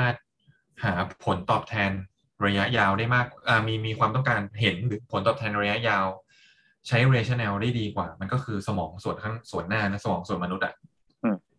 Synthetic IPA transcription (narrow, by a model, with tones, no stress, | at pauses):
maː˥˩t̪̚ | haː˩˦pʰo˩˦nt̪ɔː˨˩p̚t̪ʰɛː˧n | ɾa˧ja˦˥ʔjaː˧wdaː˥˩jmaː˥˩k̚ʔaː˨˩miː˧miː˧kʰwaː˧mt̪ɔ˥˩ŋkaː˧nɦe˩˦nɾɯː˩˦pʰo˩˦nt̪ɔː˨˩t̪ʰɛː˧nɾa˧ja˦˥ʔjaː˧w | t͡ɕʰa˦˥jɾeː˧t͡ɕʰa˥˩nʔɛː˧wdaː˥˩jdiː˧kwaː˨˩ma˧nkɔː˥˩kʰɯː˧sa˧mɔː˩˦ŋsu˨˩ənkʰa˥˩ŋsu˨˩ənːaː˥˩na˦˥sa˧mɔː˩˦ŋsu˨˩ənma˧nu˦˥t̪̚ʔa̰˨˩ʔ